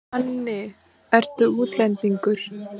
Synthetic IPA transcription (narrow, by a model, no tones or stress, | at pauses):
anːɪ | ɛɾ̥t̪ʏuːt̪lɛnt̪iŋkɵɾ̥